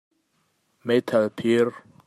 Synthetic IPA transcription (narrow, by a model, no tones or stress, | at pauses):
met̪ʰalpʰiɾ